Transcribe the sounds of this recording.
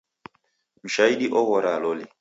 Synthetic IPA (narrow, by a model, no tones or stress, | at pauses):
m̩ʃaiɗiʔɔɣɔɾalɔli